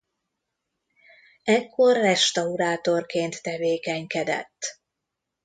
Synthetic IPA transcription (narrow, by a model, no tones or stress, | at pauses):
ɛkːo̞rːɛʃt̪ɒuɾaːt̪orkeːnt̪ːɛveːkɛɲkɛd̪ɛ̰t̪ː